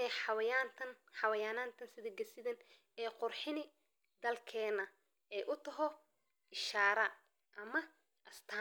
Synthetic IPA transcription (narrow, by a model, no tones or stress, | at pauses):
ɛːħɑwɐjaːnt̪ʰɐn | ħɑwɐjaːnaːnt̪ʰɐnsɪðɐɡɐsɪðɐn | ɛːqʊrħɪnɪ | d̪ɐlkʰɛːnɐ | ɛːʔʊt̪ʰɐɦɔ | ʔɪʃaːɾɐ | ʔɐmɐ | ʔɐst̪ʰa